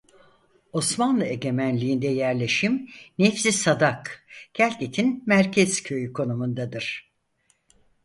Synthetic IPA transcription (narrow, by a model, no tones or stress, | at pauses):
o̞smanlˠɯe̞ɟʲe̞mænlʲiind̪ɛjæɾlʲe̞ʃimnɛfsisad̪akɟ̥ælʲcet̪ʰinmæɾcʰɛz̥cʰø̞jykʰo̞numund̪ad̪ɯɾ̥